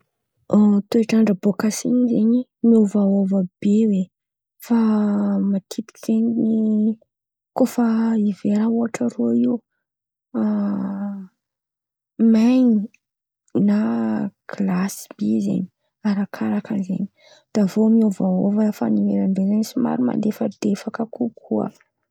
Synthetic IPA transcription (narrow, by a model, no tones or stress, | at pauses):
t̪ueʈ͡ʂaɳɖ͡ʐəbokasḭɲizeɲimiovaovəbewe | famat̪ʰip̪i̥kiz̥eɲii | kofaiveɾauaʈ͡ʂəɾuaiu | majɲi | naklasi̥bḛzḛɲi̥ | aɾakʰaɾakanzḛɲi̥ | d̪̥avomiovao̰vəfa̰nivḛɾanbezanisima̰ɾima̰nd̪efəd̪̥efakəkʰukʰuə̰